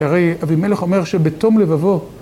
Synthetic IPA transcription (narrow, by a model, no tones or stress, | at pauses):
aʁejavime̞leχo̞meʁʃebeto̞mlevavo̞